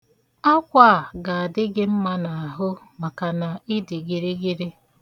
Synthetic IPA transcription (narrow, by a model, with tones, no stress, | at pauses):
a˦kʷa˦˨a˨ɡa˨a˨dɪ˦ɡɪ˦m̩˦ma˦na˨a˨ɦʊ˦ | ma˨ka˨na˨ɪ˦dɪ˨ɡɪ˨ɾɪ˦ɡi˦ɾe˦